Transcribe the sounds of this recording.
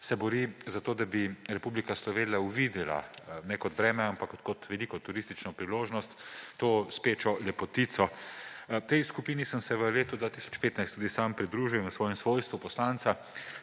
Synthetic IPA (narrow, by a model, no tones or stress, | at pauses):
sɛbɔɾiːzat̪oːd̪abiɾɛpublikaslɔʋeːnijauʋid̪ɛla̰nɛkɔt̪bɾɛːmɛampakkɔt̪ʋɛlikɔt̪uɾist̪it͡ʃnɔpɾiloːʒnɔst̪ːoːspeːt͡ʃɔlɛpɔt̪it̪sɔ | t̪ɛjskupiːnisəmsɛʋəleːt̪ud̪ʋaːt̪isɔ̥t͡ʃpeːt̪najst̪ud̪isaːmpɾid̪ɾuːʒiwʋəsʋɔːjɛmsʋoːjst̪ʋupɔslant̪sa